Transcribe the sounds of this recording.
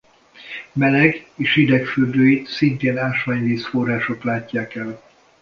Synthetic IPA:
mɛlɛɡeːʃid̪ɛkfyrd̪øːjisint̪eːnaːʃʋaːɲviːsfo̞rːaːʃo̞klaːcːaːkɛl

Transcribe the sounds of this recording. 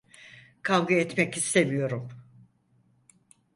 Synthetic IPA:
kʰavɡɯɛt̪mɛcist̪emijo̞ɾum

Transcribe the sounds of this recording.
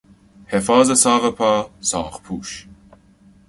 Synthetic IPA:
hefɑːzɐsɑːʁɐpʰaːsɑ̰ːʁpʰuːʃ

